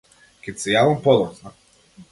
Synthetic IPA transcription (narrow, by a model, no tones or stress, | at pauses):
kʲɛt̪ʲsɛjavampɔd̪ɔsna